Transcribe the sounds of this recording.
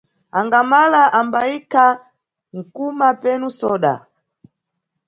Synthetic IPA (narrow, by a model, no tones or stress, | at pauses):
aŋɡamalaʔambaika | ŋ̩kumapɛnusɔɗa̰